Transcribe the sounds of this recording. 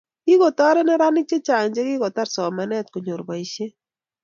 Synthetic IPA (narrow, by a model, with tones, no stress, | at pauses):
ki˦kɔ˨tɔ˦ɾɛ˦nɛ˦ɾa˦nɪ˦k̚t͡ʃe˦t͡ʃa˨ŋɲd͡ʒe˦kɪ˦kɔ˨ta˦ɾsɔ˨ma˨nɛ˦t̚ko˨ɲo˨ɾba˨i˨ʃje˦